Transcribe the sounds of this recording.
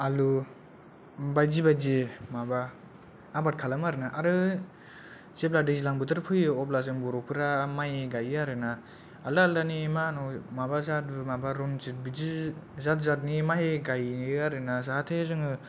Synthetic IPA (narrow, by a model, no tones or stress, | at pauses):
alu | bajd͡ʒibajd͡ʒimabaː | bat̚kʰalamaɾɯnaʔaɾɯ | zepladizilaŋbɯdɯɾpʰɯjɯɔp̬lazɯŋbɔɾɔpʰɯɾamajeɡajaɾɯna | alalanimanɔmabazat̚bɯmabaɾɔnt͡ʃit̚bid͡ʒizat̚zat̚nimaɦeɡajniaɾɯnazaatʰezɯŋɯ